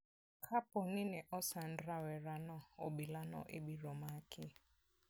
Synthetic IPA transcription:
kʰapɔninɛʔɔsandɾawɛɾanɔɔɓilanɔ̰ʔɪɓiɾɔmakʰɪ

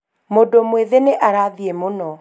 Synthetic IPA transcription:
modomweðeneʔaɾaðiemonɔ

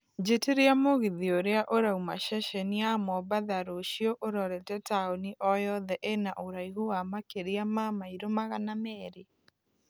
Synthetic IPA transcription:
d͡ʒeteɾeamoɣiðioɾeaʔoɾauma̰ʃɛʃeniamɔbaðaɾoʃioʔoɾɔɾɛtɛtaoniʔɔjɔðɛʔenaʔoɾaiɣoamakeɾeamamaiɾomaɣanamɛːɾe

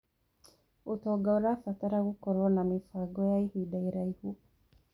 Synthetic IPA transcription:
otɔːɡaoɾafataɾaɣukɔɾwɔnamifaɡɔjaihwiːdaiɾaihu

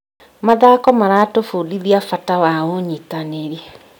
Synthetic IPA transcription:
maðakɔmaɾatofudiðiafatawaoɲitaneɾiɛ

